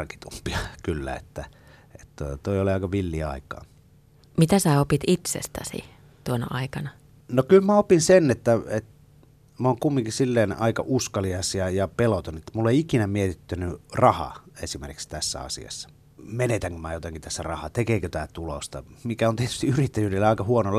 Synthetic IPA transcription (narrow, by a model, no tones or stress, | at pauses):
rki̥t̪umpiɑkylːæ̰ḛt̪ːæ | et̪t̪ːot̪t̪oˑioliɑˑikɑʋilːiɑ̰ˑikɑ̰ː | mit̪æsæːopit̪it̪sḛst̪æ̰sḭ | t̪uonɑ̰ɑikɑnɑ | nokylmæopinsenet̪ːæet̪ | moːŋkumːiŋkisilːeːnɑ̰ikɑ̰ʔuskɑliɑsjɑjɑpelot̪onet̪ːæmulːeiikinæmiet̪it̪ːønyrɑhɑ̰ḛsimḛrki̥kst̪æsːæ̰ɑ̰sḭɑ̰sːɑ̥ | menet̪æŋkømæjot̪ɑŋkit̪æsːærɑhɑt̪ekeˑːkøt̪æːt̪ulo̰st̪ɑ̰mikæont̪iet̪y̥st̪iyrit̪ːæjyːdelːeɑˑikɑhuonol